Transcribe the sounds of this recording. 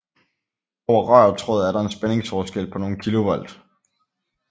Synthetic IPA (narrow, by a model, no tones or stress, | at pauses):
ɒʊ̰ɐʁɶ̰ːt͡sʰʁɔð̩ˠæɐɾ̥ɑ̈e̝nsb̥ene̝ŋsfɒːsɡ̥el̰pʰɒ̽no̝ːn̩kʰilo̝ʋɒl̰d̥